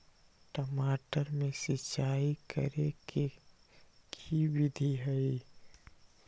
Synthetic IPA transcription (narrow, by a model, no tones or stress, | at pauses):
ʈəmaːʈəɾmẽsɪt͡ʃaːikə̰ɾeke | kʰiwɪd̪ʱiɦɛi